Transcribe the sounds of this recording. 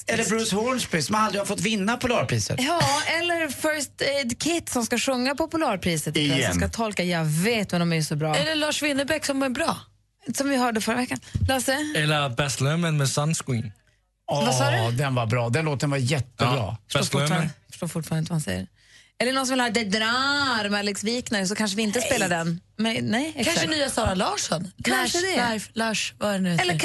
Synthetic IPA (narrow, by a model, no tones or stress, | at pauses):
ɛlːəɾbɾʉshɔnspʰɾiːsɔmald̪ɾɪhafɔt̪ːvɪnːapʰʊlɑːɾpʰɾiːsə̰t̪jɑːɛlːəɾfœɾst̪ɛd̪kʰɪt̪sɔmskaɧɵŋːapɔpʊlɑːɾpʰɾiːsət̪ɪɔskat̪ʰɔlkajɑveːt̪mɛnɔmɛæjsɔbɾɑːɛlːəɭɑːʂvɪnːəbɛksɔmvabɾɑː | sɔmvɪɦœːɖəfœɾavɛkːanlɑsɛɛlːəbɛst̪lœmənmɛsanskɪŋ | ɔvasɑːdd̪ɛnvaɾbɾɑːd̪ɛnloːt̪ːənvajɛt̪ːəbɾɑ̰ːfə̥oːsfə̥ʂʈoːɾfʊʈfɑɾnɪnt̪vahansɛ̰jːə̰ | ɛlːəɳnɔnsɔmvɪlhɑːd̪ɛd̪ɾaɾmalɪksviːknaɾəs̬ɔkʰanʂ̬əvɪɪnt̪əspeːlaɖɛnmɛnɛjɛkanʃnyːasɑːɾalɑːʂɔnkʰanʂəd̪ɛaflɑːʂvaɛɾɛnʉɛlːə